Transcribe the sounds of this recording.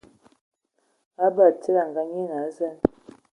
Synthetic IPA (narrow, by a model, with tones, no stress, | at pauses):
a˦ba˨ti˦ɾa˨ŋɡa˦ɲe˦na˨˦za˦˨n